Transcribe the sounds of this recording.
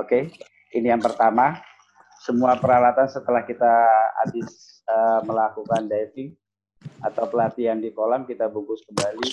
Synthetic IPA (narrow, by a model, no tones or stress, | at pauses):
oke | inijaŋpərt̪ama | səmuapəɾalat̪ansət̪əlahkit̪aa̰dɪs | əməlakukandait̪ɪŋ | a̰t̪awpəlat̪iandikolaŋkit̪abuŋkʊskəmbali